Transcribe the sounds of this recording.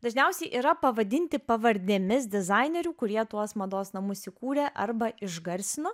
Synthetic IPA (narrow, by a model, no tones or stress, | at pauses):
d̪ɐʒʲnʲɛʊsʲɛɪʔiːɾɐpɐʋɐd̪ʲɪnʲt̪ʲɪpɐʋɐɾʲd̪ʲɛmʲɪs̬d̪ʲɪzɐɪnʲɛɾʲuːkʊɾʲiɛt̪uɔsmɐd̪oːsnɐmʊssʲɪkuːɾʲɛʔɐɾbɐɪʒɡɐɾʲsʲɪnoː